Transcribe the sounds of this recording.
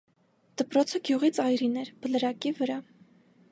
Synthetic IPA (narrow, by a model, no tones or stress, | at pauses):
d̪̥əpɾɔt͡sʰəɡjuʁit͡sɑjɾinɛɾbələɾɑkivəɾɑ